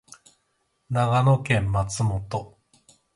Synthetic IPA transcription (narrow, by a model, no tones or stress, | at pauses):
naɡano̞kẽ̞mːat͡sɨmo̞t̪o̞